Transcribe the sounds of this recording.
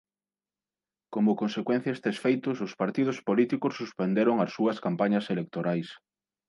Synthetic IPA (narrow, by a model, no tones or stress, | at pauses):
komʊkonsekwẽn̟θjɐest̪esfejt̪ʊsʊspaɾt̪ið̞ʊspolit̪ikʊsːuspend̪eɾʊŋɐsːuɐskampaɲɐselek̚t̪oɾajs